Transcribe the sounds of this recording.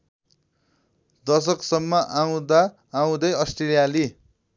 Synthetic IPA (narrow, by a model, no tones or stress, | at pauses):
d̪ʌs̬ʌksʌmːʌʔaw̃d̪aː | w̃d̪ʌjʌsʈrilijali